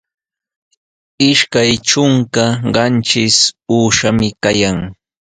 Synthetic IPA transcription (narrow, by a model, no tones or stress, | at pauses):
ɪʃkajʈ͡ʂʊŋkaɢɑnt͡ʃɪsuːʃamɪkajaŋ